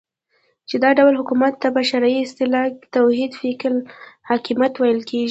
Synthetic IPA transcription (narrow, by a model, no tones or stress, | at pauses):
t͡ʃed̪ɑɖawlɦʊkumat̪ːabaʃaɾaiɪst̪ɪlɑkt̪awhid̪fiklhɑkimjat̪wajəlkeʒi